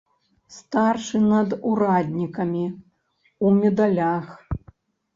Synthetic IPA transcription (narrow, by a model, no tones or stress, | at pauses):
st̪arʂɨnɐd̪uɾad̪ʲnʲikɐmʲi | umʲɛd̪alʲax